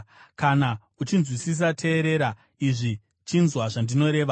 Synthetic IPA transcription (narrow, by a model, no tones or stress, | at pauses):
kana | ut͡ʃinzwisis̬atʰe̞ːɾe̞ɾa | iʐi | t͡ʃinzwaʐandino̞ɾe̞ːʋa